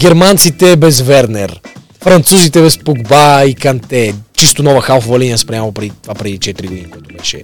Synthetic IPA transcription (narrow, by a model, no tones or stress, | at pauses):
ɡʲɛɾmant̪sit̪ɛbɛzvɛɾnɛɾ | fɾɐnt̪suzit̪ɛbɛspoɡbaikɐnt̪ɛt͡ʃist̪onɔvəxalˠfvɐliniɐspɾʲjamlˠopɾɛd̪it̪vapɾɛd̪it͡ʃɛt̪ɾiɡoʊd̪inikʊat̪ʊbɛʃɛ̰